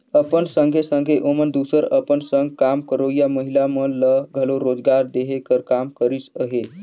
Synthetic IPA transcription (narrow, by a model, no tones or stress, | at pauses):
əpənsəŋɡʱesəŋɡʱeʔomənd̪usəɾəpənsəŋɡ̚kamkəɾoijaməɦilamələɡʱəloɾod͡ʒɡaɾd̪eɦekəɾkamkəɾisəɦe